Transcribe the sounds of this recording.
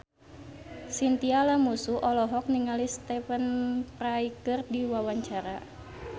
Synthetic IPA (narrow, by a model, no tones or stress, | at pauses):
sint̪ialamusuʔɔlɔɦɔk̚niŋalist̪ɛfənpraikərdiwawaɲt͡ʃaɾa